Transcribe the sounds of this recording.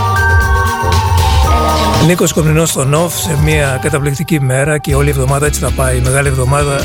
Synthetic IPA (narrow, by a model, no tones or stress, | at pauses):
liko̞skomɾinost̪o̞nofsemiɐkɐt̪ɐplikt̪icime̞ɾɐceo̞lie̞vðo̞mɐðɐet͡si̥θɐpɐime̞ɣɐlievðo̞mɐðɐ